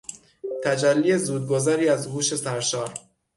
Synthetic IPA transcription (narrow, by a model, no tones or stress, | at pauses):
t̪ʰæd͡ʒælːiːezuːd̪̚ɡozæɾiːæzhuːʃe̞sæɾʃɒːɾ